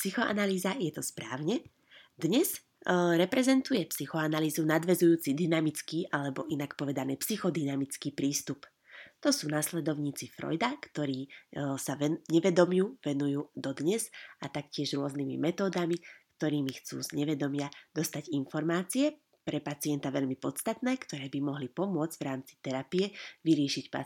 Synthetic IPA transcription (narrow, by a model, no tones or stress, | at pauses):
psixɔʔa̰naliːzajɛt̪ɔspɾaːʊɲɛ | d̪ɲɛz | ɾɛpɾɛzɛnt̪ujɛpsixɔanaliːzunad̪ʋɛzujuːt͡sid̪inamit͡skiːʔalɛbɔʔinakpɔʋɛd̪aniːpsixɔd̪inamit͡skiːpɾiːst̪up | t̪ɔsuːnaslɛd̪ɔʊɲiːt͡sifɾɔ̰jd̪akt̪ɔɾiːsaɛɲɛʋɛd̪ɔmjuʋɛnujuːd̪ɔd̪ɲɛzat̪akcɪɛʒɾʊɔznimḭmɛt̪ɔːd̪amikt̪ɔɾiːmixt͡sṵːzɲɛʋɛd̪ɔmɪad̪ɔst̪aɟinfɔɾmaːt͡siɛ | pɾɛpat͡siɛnt̪aʋɛʎmipɔt͡st̪at̪nɛːkt̪ɔɾɛːbimɔɦlipɔmʊɔd͡zɟ̥vʋɾaːmt͡si̥t̪ɛɾapijɛʋiɾɪɛʃicpa̰